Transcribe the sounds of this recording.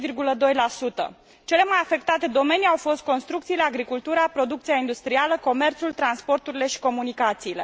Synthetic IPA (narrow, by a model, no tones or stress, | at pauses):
virɡuləd̪o̞jlasut̪ə̰ | t͡ʃe̞le̞majafe̞kt̪at̪e̞d̪o̞me̞niawfo̞st̪̚ko̞nst̪ɾuk̚t̪sileaɡɾikult̪uɾapɾo̞d̪uk̚t̪siaind̪ust̪ɾialəko̞me̞rt̪sult̪ɾanspo̞rt̪uɾile̞ʃi̥ko̞munikat̪siːle̞̰